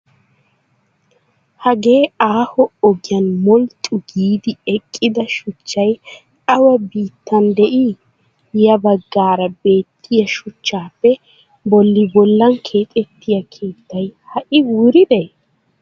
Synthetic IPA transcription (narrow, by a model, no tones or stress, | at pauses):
hɐɡe̞ːaːhɔɔɡɪjɐnmɔlt̪ʼʊɡiːd̪ɪɛkʼːɪd̪ɐʃʊt͡ʃːɐj | ɐwɐbiːt̪ːɐnd̪ɛʔi | jɐbɐɡːaːɾɐbe̞ːt̪ʰːɪjɐʃʊt͡ʃːaːpːɛ | bɔlːɪbɔlːɐŋkʰe̞ːt̪ʼɛt̪ːɪjɐkʰe̞ːt̪ːɐjhɐʔɪwuːɾɪd̪ɛ